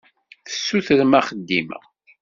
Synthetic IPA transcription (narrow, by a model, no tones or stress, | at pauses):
θə̥sːuθɾmæχəd̪ːḭmə̰ʁ